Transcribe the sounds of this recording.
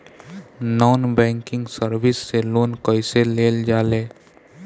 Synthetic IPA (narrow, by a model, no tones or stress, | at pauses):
nɔːnbɛ̃ːŋkɪ̃ŋɡsəɾwɪsːeloːnkəɪseleːld͡ʒaːleː